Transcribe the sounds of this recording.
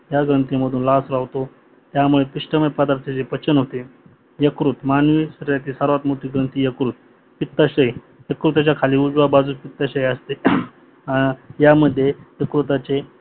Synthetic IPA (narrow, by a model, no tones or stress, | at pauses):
jaɡɾənt̪iməd̪ʱuːnlasɾaʋt̪o | t̪jamuɭepiʂʈəməpad̪aɾt̪ʰet͡sepət͡ɕənɦot̪e | jəkɾut̪manʋisəɾəɾjat̪iːsəɾʋat̪moʈiːɡɾənt̪iːjəkɾut̪̚ | pit̪ːaɕəj | jəkɾut̪at͡ɕjakʰaliːud͡zʋabad͡zupit̪ːaɕəjəst̪e | ajaməd̪ʱːjejəkɾut̪at͡ɕe